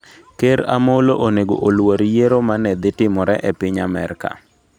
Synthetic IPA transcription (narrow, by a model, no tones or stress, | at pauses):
keɾa̰moloʔoneɡo̰ʔolwoɾjeɾomanɛd̪ɪtɪmɔɾɛʔepɪɲamɛ̰ɾka̰